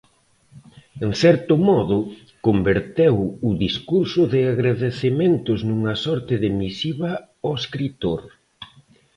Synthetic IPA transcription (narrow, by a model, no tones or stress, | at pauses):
eŋθɛɾt̪ʊmɔðʊ | kombeɾt̪ewʊðiskuɾsʊðɪaɣɾaðeθement̪ʊznuŋɐsɔɾt̪ɪðɪmisiβɐ | oeskɾit̪oɾ